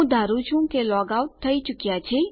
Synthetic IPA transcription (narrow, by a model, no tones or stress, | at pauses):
ũd̪ʱaːɾut͡ʃũkelɔːɡauʈ̚t̪ʰːəit͡ʃʊkjat͡ʃʰe